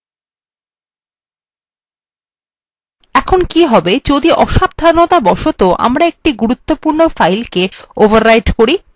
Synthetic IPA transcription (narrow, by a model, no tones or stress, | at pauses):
ɛkʰonkiɦɔbed͡ʑod̪iʔɔʃab̚d̪ʱanot̪abɔʃot̪oʔa̰mɾaek̚ʈiɡuɾut̪ːopuɾnofajlkeovʱaɾːajʈkoɾi